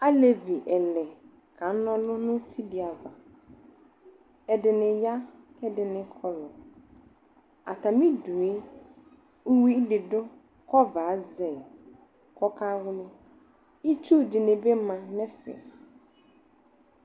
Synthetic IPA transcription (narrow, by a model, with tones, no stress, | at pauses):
a˦le˨vi˨ʔɛ˨lɛ˨ | kʰã˨˦nɔ̃˦lʊ̃˦nʊ̃˦tʰi˦di˨a˨va˨ | ɛ˨dɪ˨nɪ̃˨ja˦ | kʰɛ˦dɪ˨nɪ̃˦kʰɔ˨lɔ˨ | a̰˨tʰã˨mĩ˦du˨e˦ | ʊ˦wi˦lɪ˨dʊ˦ | kʰɔ˦va˨˦zɛ˨ | kʰɔ˦kʰa˦wʊ˦nɪ̃˦ | i˦t͡ʃʰu˦˨di˨nɪ̃˨be˦mã˨nɛ̃˦fɛ̰˨